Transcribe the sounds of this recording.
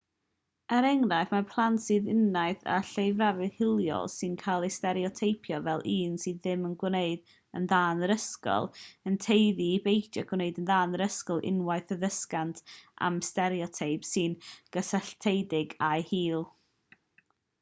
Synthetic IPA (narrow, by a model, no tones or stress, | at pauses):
əɾɛŋnajθmapʰlˠantsɨðɪnːaɨθa̰ɬejvravɨhɪlˠjɔ̰lˠsɨnkʰalˠestɛɾiɔtʰejpʰjɔvɛlˠʔiːnsɨððɪmənɡwneɨd̥ | ə̰nðaːnəɾəskɔ̰lˠəntʰejðibejdjaɡ̥wneɨdənðaːnəɾəskɔlˠʔɪ̰nwajθəðəskantʰʔa̰mstɛɾiɔtʰejb̥sɨnɡ̥əsaɬtʰejdɪɡajhiːlˠ